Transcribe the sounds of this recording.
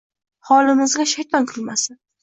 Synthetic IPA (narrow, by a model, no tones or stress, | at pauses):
hɒlɪmɪzɡʲaʃajt̪ʰɒnkʲʰʊlˠmasɪ